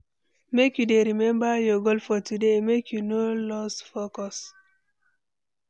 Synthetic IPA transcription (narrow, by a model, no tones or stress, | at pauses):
mekjudeɾimɛ̃mbajɔɡolfɔtudemekjunolɔsfokɔs